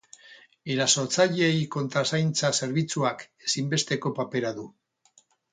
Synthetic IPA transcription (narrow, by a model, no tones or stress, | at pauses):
e̞ɾaso̞ɾt͡saʎe̞jko̞nt̪ɾasajnt͡sase̞ɾβit͡suake̞simbe̞st̪e̞ko̞pape̞ɾaðu